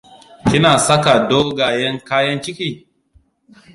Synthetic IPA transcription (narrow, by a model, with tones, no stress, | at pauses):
kʲɪ˦naː˨sɐ˦ka˨doː˦ɡaː˨jɐ˦ŋkaː˦jɐ˦nt͡ʃɪ˦kʲiː˦˨